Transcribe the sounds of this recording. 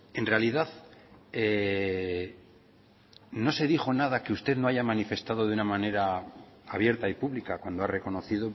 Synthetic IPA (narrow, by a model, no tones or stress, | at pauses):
e̞nrealiðaðe | no̞se̞ðixo̞nað̞akeust̪e̞ðno̞aʝamanife̞st̪að̞o̞ðunamãne̞ɾaaβje̞ɾt̪aipuβlikakwand̪oare̞ko̞no̞θiðo̞